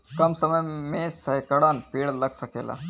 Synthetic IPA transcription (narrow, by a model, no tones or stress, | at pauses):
kɐmsəməjmẽsɐjkɐɽaːnpiːɽlɐɡsəkḛːla̰